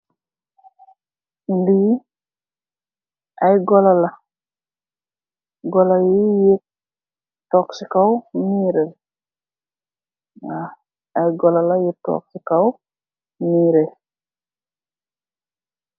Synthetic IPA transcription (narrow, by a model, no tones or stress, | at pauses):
li | ajɡɔlala | ɡɔlajije | tɔksikawmiːɾel | ŋa | ajɡɔlalajitːɔ̰k̚sikaw | miɾe